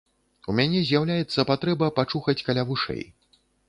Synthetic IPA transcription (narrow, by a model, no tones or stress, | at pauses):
umʲanʲɛzʲjawlʲajɛt̪sːɐpat̪ɾɛbɐpat͡ʂuxɐt͡sʲkalʲavuʂɛ̰j